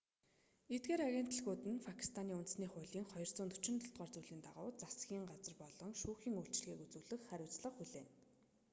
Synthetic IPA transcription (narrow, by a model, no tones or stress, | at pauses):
et̪̚ɡeːɾaɣʲen̥t̪ə̆ɮɣuːt̪ɘ̆npʰakʰi̥st̪ʰaniːunt̪sniːχʊːɮiːŋχɔjɞrt͡sʊːnt̪u̥t͡ɕɪ̆nt̪ʰɔɬt̪ʁɔːrt͡suːɮiːnt̪aʁʊːt͡sasɡʲiːŋɢat͡sə̆rpɔɮɞ̆ŋʃuːxiːŋuɬt͡ɕ̆ɮɣiːkut͡suːɮɘ̆xχæɾʲʊːt͡sɮə̆χxuɮeːn